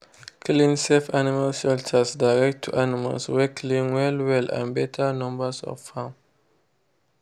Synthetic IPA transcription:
kʰlĩnsɛfanimalʃɛltʰəsdaɪɹɛk̚tʰːuʔanima̰lswɛkʰlĩnwɛlwɛlã̰nbɛtʰənɔ̃mbəsɔ̰v̥fãm

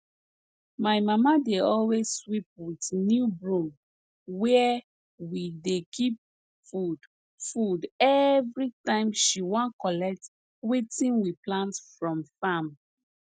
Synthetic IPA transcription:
maɪmamadeɔlwezswip̚witnjubɹũm | wɛ | widekʰip̚ | ud | fudɛvɹitãɪ̃mʃiwɔ̃nkɔlɛk̚t | wetĩnwiplãntfɹɔ̃mfam

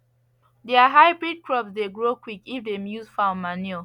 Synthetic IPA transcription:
dɛaɦaɪbɹid̚kʰɹɔpsdeɡɹokwikifdemjuzfãʊ̃nmani

